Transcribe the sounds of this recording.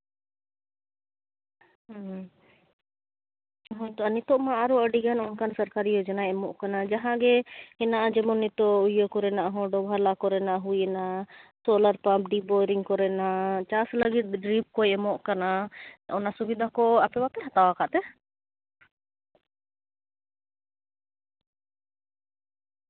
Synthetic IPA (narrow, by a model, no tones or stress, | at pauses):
ɦɔ̃jt̪ɔanit̪ɔʔmãaɾɔəɖiɡanɔnkansəɾkaɾiɔd͡ʒanaɛmɔʔkanad͡ʒaɦãɡɛhɛnaʔad͡ʒɛmɔnit̪ɔʔujɔkɔɾɛnaʔaɦɔ̃ɖɔbʱalakɔɾɛnaʔɦujɛnasɔləɾpãp̚ɖibɔɾiŋkɔɾɛnat͡ʃasləɡit̪̚ɖɾip̚kɔjɛmɔʔkanaɔnasubid̪ʱakɔapɛbat̪ɛɦat̪awakaʔt̪ɛ